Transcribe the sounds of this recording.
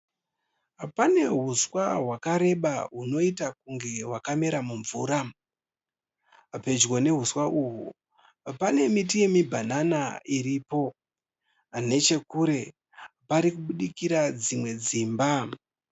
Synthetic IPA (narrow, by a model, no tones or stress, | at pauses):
pane̞ɦuswaɦwakaɾe̞ɓaɦuno̞itak̚uŋɡe̞ɦwakame̞ɾamuɱvuːɾa | pe̞d͡ʒwone̞ɦuswaʔuɦu | pane̞mitije̞mibʱananaiɾipo̞ | ne̞t͡ʃe̞kuɾe̞ | paɾikuɓuɗikiɾad͡zimwe̞d͡ziːmba